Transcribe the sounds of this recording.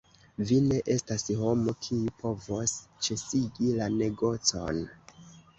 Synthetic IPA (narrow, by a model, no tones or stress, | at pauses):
vine̞ʔe̞stasho̞mo̞kʰiupʰo̞vo̞st͡ʃe̞siɡilane̞ɡo̞t͡so̰n